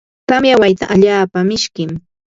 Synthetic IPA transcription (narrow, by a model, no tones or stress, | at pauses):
kamjawajt̪aʔaʎaːpamɪʃkɪm